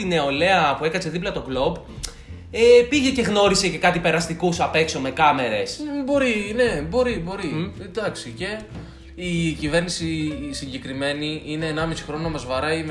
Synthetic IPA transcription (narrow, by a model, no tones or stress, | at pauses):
ine̞o̞le̞ɐpue̞kɐse̞ðip̬lɐt̪o̞ɡlo̞b | epiʝe̞ce̞ɣno̞ɾise̞ce̞kɐt̪ipe̞ɾɐst̪ikusɐpe̞kso̞me̞kɐme̞ɾe̞sbo̞ɾine̞bo̞ɾibo̞ɾid̪ɐksice | icive̞ɾnisisiɲɟe̞kɾime̞niine̞ːnɐmisi̥xɾo̞no̞mɐzvɐɾɐim